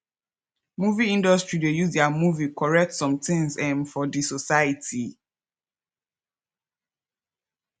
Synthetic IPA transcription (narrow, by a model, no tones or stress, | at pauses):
muviĩndɔstɹidejuzdamuvikʰɔɹɛk̚tsɔ̃mtʰɪ̃ŋzɛ̃nfɔdisosaətʰi